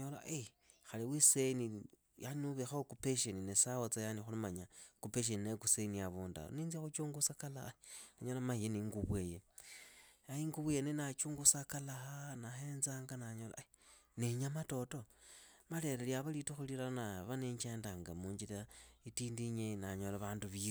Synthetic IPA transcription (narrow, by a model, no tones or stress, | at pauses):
ɲola̰ʔe | xaliwiseni | januβexaokupeʃeninesawot͡sajanixulimaɲakupeʃ̬eninekuseniaβunda̰niːnziaxut͡ʃuːŋɡusakalahanaɲolamaijeniŋɡuβweje | aiŋɡuβwejenenat͡ʃuːŋɡusakalahanaxenzaːŋɡanaɲola̰ineɲamato̞to̞maleɾeljaβalituxulilanaβaneɲt͡ʃeːndaŋɡamuːɲd͡ʒilaitiːndiɲenaɲolaβaːnduβii